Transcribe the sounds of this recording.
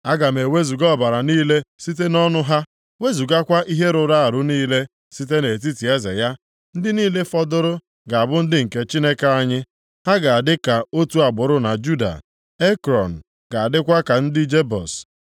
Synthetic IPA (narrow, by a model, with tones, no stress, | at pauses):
a˦ɡa˨m̩e˨we˦zu˨ɡɔ˦˨ba˨ɾa˨niː˦le˦si˦te˦nɔ˦nʊ˦ɦa˦ | we˦zu˨ɡa˦kʷa˦ʔi˦ɦe˦ɾʊ˨ɾa˦a˨ɾʊ˦niː˦le˦ | si˦t̬e˦ne˨t̬i˦ti˨e˦zḛ˨ja˦ | n̩˦dɪ˦niː˦le˦fɔ˦dʊ˦ɾʊ˦ | ɡa˨a˨bʊ˦n̩˦dɪ˦ŋ̩˨ke˦t͡ʃi˦ne˦ka˦a˦ɲɪ˦ | ha˦ɡa˨a˨dɪ˦ka˨o˦tu˦a˨ɡ͡bʊ˨ɾʊ˦na˨d͡ʒu˦da̰˨ | e˦kɾɔ˨n̩˨ | ɡ̥a˨a˨dɪ˦kʷa˦ka˨n̩˦dɪ˦d͡ʒe˦bɔ̰˨s